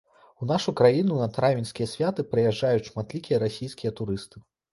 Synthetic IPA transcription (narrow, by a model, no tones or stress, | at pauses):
unaʂukɾajinunɐt̪ɾavʲinsʲkʲijɐsʲvʲat̪ɨpɾɨjaʐːajutʲʂmat̪lʲikʲijɐɾasʲijskʲijɐt̪uɾɨst̪ɨ̥